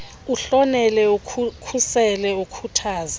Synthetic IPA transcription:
uɬɔnɛlɛukʰusɛlɛukʰutʰaːza

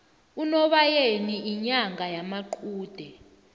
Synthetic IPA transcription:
unɔɓajeniʔiɲaŋɡajamaǃʰuːd̥ʱɛ

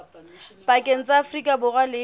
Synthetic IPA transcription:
pʼakʼeŋ̩t͡sʼaːfrikʼabʊrwalɪ

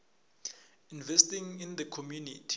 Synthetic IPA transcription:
invɛstĩŋĩnd̪əkʰɔmjunitʰi

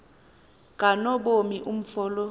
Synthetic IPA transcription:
kʼanɔɓomiʔum̩fɔːlɔ

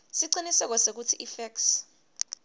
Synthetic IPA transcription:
siǃinisɛk̬ɔsek̬utʰiʔifɛks

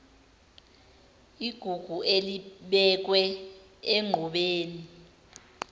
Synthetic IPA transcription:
iɡ̥ʱuɡ̥ʱuʔeliɓɛk̬wɛ | eŋ͡ǃʱɔɓeːni

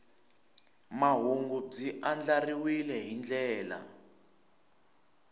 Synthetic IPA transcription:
maɦuŋɡub͡ʐiʔand͡ɮariwilɛɦind͡ɮɛːla̰

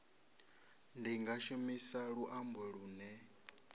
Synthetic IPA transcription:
ndiŋɡaʃomisaɺuʔambɔɺuːnɛ

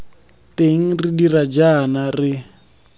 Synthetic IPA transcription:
teŋ̩ridirad͡ʒanarɪ

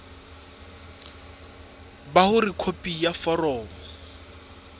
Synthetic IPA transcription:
bahʊrikʰopʼijafɔrɔːmɔ

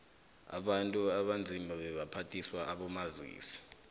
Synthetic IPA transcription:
a̰ɓantʼuaɓand͡zʱimaɓɛɓapʰatʰʼiswaaɓɔmazḭːsi̥

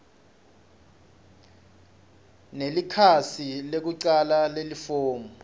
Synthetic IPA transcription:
nelikʰasilek̬uǀalalelifoːmɔ

